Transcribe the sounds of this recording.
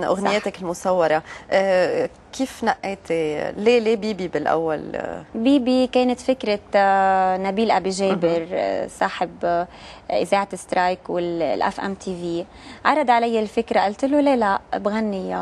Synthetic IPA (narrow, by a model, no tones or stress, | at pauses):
ʔʊɣnɪjeːt̪akɪlmʊsawːɑɾˤɑ | kiːfnaʔːeːt̪leːlebiːbibɪlʔa̰wːa̰lbiːbikeːnɪt̪fɪkɾa | nabiːlʔabiːʒeːbɪɾsˤɑːħɪb | ʔɪ̰zeːʕat̪ɪst̪ɾaːjkwɪllʔa̰fʔa̰mt̪ʰiːviː | ʕɑɾˤɑd̪ʕalajːalfɪkɾˤaʔalt̪ɪlːulelaʔbɣanːɪjːa